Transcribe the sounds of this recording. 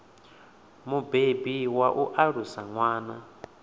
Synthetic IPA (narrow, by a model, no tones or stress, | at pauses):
mubebiwaʔuʔaɺusaŋwaːna